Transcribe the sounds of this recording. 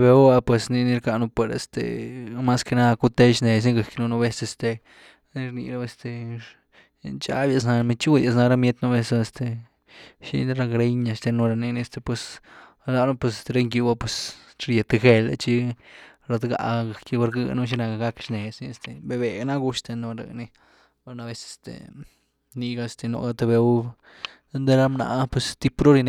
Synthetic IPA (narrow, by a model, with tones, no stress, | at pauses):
be˧˦a˧pwe˨sni˧ni˧ɾka˧nu˧pwe˨ɾḛ˨st̪ḛ˨ma˦ske˧na˦˧ku˦t̪e˦ʃne˨s̬ni˦ɡa˨knu˧nu˧be˦se˧st̪e˧ | ni˦ɾnḭ˧˨ɾa˦e˧st̪e˨ | nt͡ʃa̰˦bja˧s̬na˧mi˧t͡ʃu˦d̪ja˧˨s̬na˧ɾa˦mje˦t̪nu˦be˧sa˧e˧st̪e˨ | ʃḭ˧˦ɾa˧ɡɾe˦ɲa˧st̪e˧nu˧ɾa˧ni˧ni˧e˧st̪e˨pwe˧s | la˧na˦pwe˧sɾe˦ŋɡju˧ba˦pwe˧s | ɾje˨t̪e˧xe˧lḛ˧t͡ʃi˦ | ɾa˧d̪ɡa̰˨ɡa˨ki˦ba˧ɾɡɨ̰˧nu˦˧ʃ̬i˦na˧ka˧ɡa˦kʃne˨sni˧e˧st̪e˨be˧be˨ɡna˦ɡu˧ʃt̪e˧no˧ɾa̰˨ni˧ | a˧na˧be˧se̥˨st̪ḛ˨ | ni˧ɡa˧e˧st̪e˧no̰˨ɡa˧t̪e˧be˧˦ba˧ | d̪e˧˦nd̪e˦ɾa˦mna̰˨pwe˧st̪i˦pɾo˦ɾi˧n˧